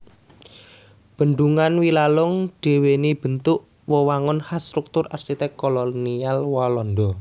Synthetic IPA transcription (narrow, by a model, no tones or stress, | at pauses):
b̥ə̤ɳɖ̪uŋanwilalʊŋɖ̥e̤wenib̥ə̤nt̪ʊʔ | wɔwaŋʊnhast̪ɾuk̚t̪ʊrarsit̪ɛkkːɔlɔnialwalɔnd̪ɔ